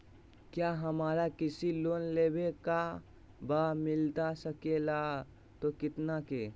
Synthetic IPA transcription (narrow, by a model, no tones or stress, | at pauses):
kjaɦəmaːɾakɪsilonlebeka | bamɪlt̪asəkela | t̪okɪt̪nake